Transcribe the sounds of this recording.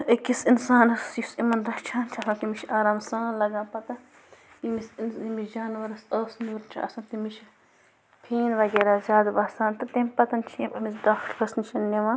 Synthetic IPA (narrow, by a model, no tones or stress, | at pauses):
ɐkisinsaːnɐsjusimɐnd̪ɐʃt͡ʃʰaːnt͡ʃʰiɐsãnt̪imit͡ʃʰaːɾaːmsãːnlɐɡãːpɐt̪ɐ | jimisimid͡ʒaːnʋɐɾɐsəːsnuɾt͡ʃʰiɐ̰sɐ̃nt̪imit͡ʃʰi | pʰiːnʋɐɡeːɾaːzʲjaːd̪bɐːsaːnt̪ɐt̪emʲpɐt̪ɐnt͡ʃʰĩpɐmisdaːkʰʈbɐsniʃɐnːeʋãː